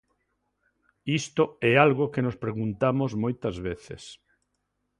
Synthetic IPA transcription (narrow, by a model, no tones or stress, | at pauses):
ist̪oɛalɣokenospɾeɣunt̪amozmojt̪ɐzβeθḛs